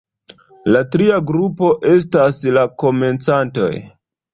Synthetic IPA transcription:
latɾiaɡɾupo̞ʔe̞s̬taslako̞me̞nt͡santo̞̰j

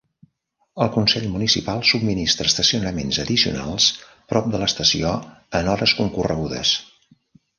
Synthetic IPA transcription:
əlˠkunsɛʎmunisḭpalˠsub̚minist̪ɾəst̪əsiunəmenzəðisiṵna̰lˠs | pɾɔp̚d̪ələst̪əsio | ənɔɾəskuŋkurəɣuðə̰s

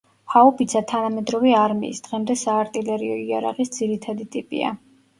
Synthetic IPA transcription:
haɔpʰit̪sʰat̪ʰanamɛd̪ɾɔvɛaɾmḭːsd̪̥ʁɛmd̪ɛsaːɾt̪ʼilɛɾiɔia̰ɾa̰ʁʼisd̪z̥iɾit̪ʰad̪it̪ʼipʼḭa̰

